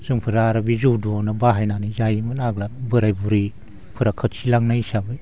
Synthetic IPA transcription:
z̥ɯŋpʰɯɾaːɾabizudɔnɯbaɦajnanizajmɯnaɡlabɯɾajbuɾi | pʰɯɾakʰɯt̚silaŋnaisabɯj

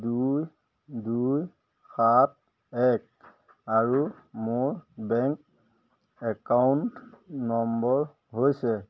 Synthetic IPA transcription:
duj | duj | xat̚ | ɛk̚ | aɹu | mʊɹbɛŋk | ɛkawntnɔmbɔɹ | ɦojsɛ

